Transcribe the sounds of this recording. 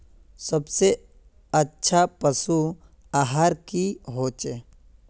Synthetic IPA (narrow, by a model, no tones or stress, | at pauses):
səbse | ɐtːʃʰapəsu | aɦaɾkiɦoːt͡ʃe